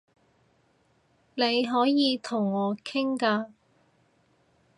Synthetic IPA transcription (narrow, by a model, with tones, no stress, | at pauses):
ne˨˧jɦɔː˨˥jiː˨˧t̪ʰʊ˨˩ŋːɔː˨˧kʰɪ˥ŋkaː˧